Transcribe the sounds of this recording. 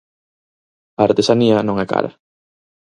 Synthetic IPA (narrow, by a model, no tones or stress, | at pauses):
ɐːɾt̪esaniɐnõŋɛka̰ɾɐ̰